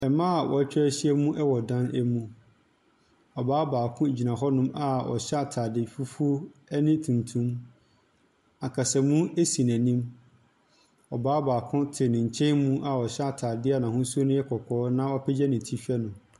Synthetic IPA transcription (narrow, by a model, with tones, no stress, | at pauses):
ɛ˨mã˦a˨wʔɔ̰˨æ˦t͡ɕᶣʰɪ˦æ˦ɕi˦ɛ˦mũ˦ʔɛ˦wɔ˨dã˦næ˦mũ˦ | ɔ˨baː˦baː˨kʰʊ̃˦˨d͡ʑi˨nã˨ɦɔ˦nʊ̃˦ma˨ɔ̰˨ɕɛ˦a˨tʰaː˨dɪ˨fu˦fu˦nɪ̃˦tʰũ˨ntʰũ˦m | a˨kʰa˨sɛ˨mũ˦e˦sĩ˨næ̃˨nĩ˦m | ɔ˨baː˦baː˨kʰʊ̃˦tʰɪ˨nɪ̃˨ɲ˨t͡ɕʰɛ̃˦nmũ˦ʔa˨ɔ˨ɕɛ˦a˨tʰaː˨dɪ˦a˨nã˨hʊ̃˦su˦o˦nʊ̃˦jɛ˦kʰɔ˨kʰɔː˦nã˦ɔ˦pʰɛ˦d͡ʑɛ˦nɪ̃˨tʰi˦fi˦ɛ˦nʊ̃˨